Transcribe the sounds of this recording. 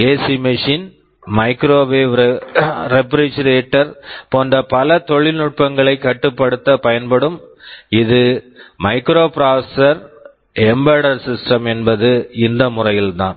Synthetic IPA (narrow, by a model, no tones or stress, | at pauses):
eːsimɪʂiːn | mɐɪkɾoːʋeːʋɾɾɛpɾit͡ʃɾeːʈːɐɾpoːndɐpɐlɐt̪ɔɭɪlnʊʈ̚pɐŋɡɐɭɐɪkːɐʈːɯpːɐɽɯt̪ːɐpɐjɐnpɐɽɯmɪðɯmɐɪkɾoːpɪɾaːsɐsɐɾ | ɛmbɐɽɐɾsɪsʈɐmɛnbɐðɯɪnd̪ɐmʊrɐjɪlt̪ã̰ːn